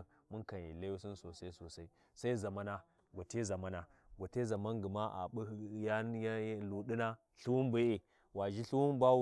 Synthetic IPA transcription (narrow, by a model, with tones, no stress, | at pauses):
mu˦nka˨n˨ji˨la˦ju˦si˦nso˨sa˦i˦so˨sa˦i˦ | sa˦i˦za˨ma˦na˦ | ɡo˨te˦za˨ma˦na˦ɡʷo˨te˦za˨ma˦nɡi˨ma˦ʔa̰˨ɓu˦ja˦jlu˨ɗi˦na˦ | ɬu˦wu˦n˦bi˦e˨ | wa˨ʒi˦ɬu˦wu˦n˦ba˦u˦